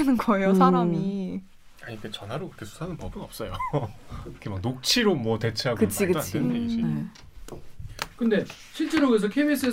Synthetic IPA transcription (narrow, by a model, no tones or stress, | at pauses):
anɯnɡʌeosʰaɾami | aɲik͈ʰet͡ɕʌnɦaɾokiɾʌkʰesʰu̥sʰanɯnpʌbɯnʌp̚s͈ʌjo | kʰemak̚nok̚t͡ɕʰiɾomwʌte̞t͡ɕʰeɦaɡkɯt͡ɕʰikadeeid͡ʑi | kɯnde̞ | ɕʰiɭt͡ɕ͈eɾoɡes̬ʰʌkʰemis͈ɯe